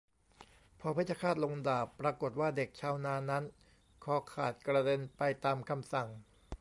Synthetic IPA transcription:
pʰɔː˧pʰa˥˩t͡ɕʰa˧˩kʰaː˥˩t̪̚lo˧ŋdaː˨˩pːɾaː˧ko˨˩t̪̚waː˥˩de˨˩k̚t͡ɕʰaː˦˥wnaː˧na˦˥n | kʰɔː˧kʰaː˨˩t̪̚kɾa˧de˧npa˧jt̪aː˧mkʰa˧msa˨˩ŋ

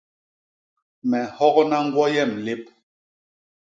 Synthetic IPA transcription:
mɛ˨hɔ˦kɔ˦na˦ŋ̩˦ɡwɔ˦jɛ˦˨mle˦p̚

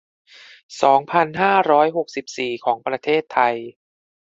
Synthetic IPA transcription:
sɔː˩˦ŋpʰa˧nɦaː˥˩ɾɔː˦˥jɦo˨˩k̚si˨˩p̚siː˨˩kʰɔː˩˦ŋpɾa˧t̪ʰeː˥˩t̪ʰːa˧j

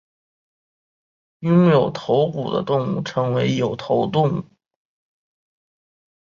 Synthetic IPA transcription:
jʊ˥ŋjo˨˩ʊt̪ʰo˧˥ʊku˨˩d̪ə̰˦t̪ʊ˥˧ŋu˥˩ʈ͡ʂʰɤ˧˥ŋwe˧˥ɪjo˨˩ʊt̪ʰo˧˥ʊt̪ʊ˥˧ŋu˥˩

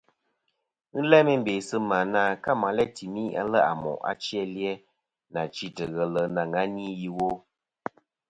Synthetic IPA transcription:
n̩˦lɛ˦mɛ˦m̩˦be˨sɨ˦ma˨na˦ka˦ma˨˦lɛ˦ti˨mi˦a̰˦lə˦a̰˨mɔ̰˨ʔa̰˦t͡ʃjɛ˦ljɛ˦ | na˨t͡ʃi˦tə˨ɣə˨lə˨na˨ŋa˦ni˦ji˦wo˦

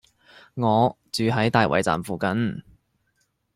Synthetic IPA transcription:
ŋɔː˨˧ | t͡syː˨ɦɐ˨˥jt̪aː˨jwʔɐ̰˨˩jt͡sa̰ː˨mfuː˨kɐ˨˥n

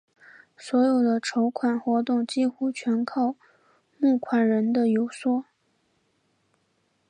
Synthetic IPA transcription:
swɔ˧˥jo˨˩ʊd̪ə˦ʈ͡ʂʰo˧˥ʊkʰwa˨˩nxwɔ˧˥t̪̬ʊ˥˩ŋt͡ɕi˥˧xu˥˩t͡ɕʰɥɛ˧˥nkʰɑ˥˧ʊ | mu˥˩kʰwa˨˩nɻə˧˥nd̪ə˧jo˨˩ʊswɔ˥˩

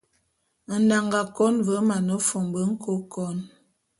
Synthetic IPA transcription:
n̩˦da˨ŋɡa˨kɔ˦nvə˨˦ma˨nə˨˦fo˨mbə˨˦ŋ̩˦ko˦kɔ˦n

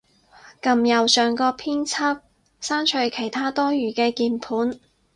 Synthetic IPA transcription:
kɐ˨mjɐ˨˩wsœː˨ŋkɔː˧pʰiː˥nt͡sʰa˥p̚ | saː˥nt͡ʃʰɵ˧ɥkʰe˨˩jt̪ʰaː˥t̪ɔː˥jyː˨˩kɛː˧kiː˧npʰuː˨˥n

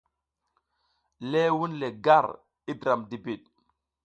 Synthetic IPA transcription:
le˦wu˦nle˨ɡa˦˨ɾ | i˦dɾa˨mdi˨bi˨ɗ̚

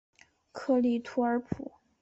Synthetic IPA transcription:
kʰɤ˥˧li˥˩t̪ʰu˧˥ə˞˧˥pʰṵ˨˩˦

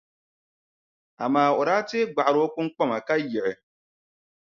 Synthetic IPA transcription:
a˨maː˦˨ʊ˨ɾaː˦te˦ɡ͡ba˨ʔɾo˦kʊ˦ŋ˦k͡pɔ˦ma˨ka˦jɪ˨ʔɪ˨

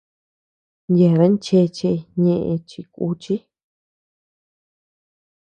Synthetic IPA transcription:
nje˨ɾa˦nt͡ʃe˧t͡ʃe˧ɲẽ˧ʔẽ˧t͡ʃi˧kṵ˧˦t͡ʃi˦

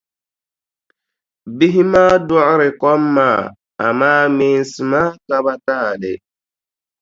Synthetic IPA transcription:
bi˦ɦi˦ma˦du˦ʔɾɪ˨kɔ˦mːa˦˨ | a̰˨maː˦meː˨n˨si˨ma˦ka˦ba˦taː˦˨lḛ˨

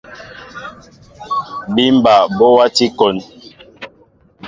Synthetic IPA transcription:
bi˦m̩˦ba˨bɔ˦wa˦ti˦kɔ˨n

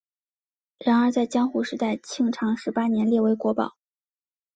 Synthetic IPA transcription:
ɻa˧˥nə˞˧˥t͡sa˥˩ɪt͡ɕjɑ˥ŋxu˧˥˩ʂɻ̩˧˥t̪a˥˩ɪt͡ɕʰi˥˩ŋʈ͡ʂʰɑ˧˥ŋʂɻ̩˧˥pa˥njɛ˧˥nljɛ˥˩we˧˥ɪkwɔ˧˥pɑ̰˨˩˦ʊ

